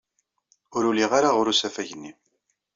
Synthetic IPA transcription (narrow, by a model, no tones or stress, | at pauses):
ʊɾuliʁaɾaʁʊɾusæfæʝənːi